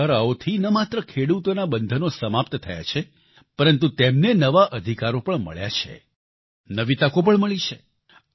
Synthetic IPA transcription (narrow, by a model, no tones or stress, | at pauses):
əɾaot̪ʰinəmat̪ɾəkʰeɽut̪onabənd̪ʱənosəmap̚t̪t̪ʰəja̰t͡ʃʰe | pəɾənt̪ũt̪emnenəʋaʔəd̪ʱikaɾopəɳmə̰ɭja̰t͡ʃʰḛ | nəʋit̪akop̬əɳməɭit͡ʃʰe